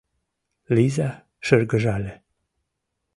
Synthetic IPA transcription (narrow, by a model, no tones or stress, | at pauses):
liza | ʃərɡəʒale